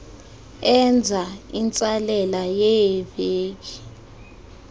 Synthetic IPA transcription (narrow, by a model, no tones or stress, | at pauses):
ɛnd͡zʱaint͡sʼalɛlajɛjɛveːk̬i̥